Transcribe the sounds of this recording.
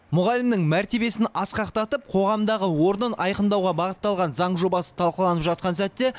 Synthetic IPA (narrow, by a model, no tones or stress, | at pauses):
mʊʁɑlɪmnɪŋmæɾt̪e̞be̞sɪnɑsqɑqt̪ɑt̪əp̚qʰo̞ʁɑmd̪ɑʁəwo̞ɾnənɑjqənd̪ɑwʁɑbɑʁət̪ːɑlˠʁɑnzɑɴʒo̞bɑsə̥t̪ʰɑlˠqəlˠɑnəpʒɑt̪̚qɑnsæt̪ːe̞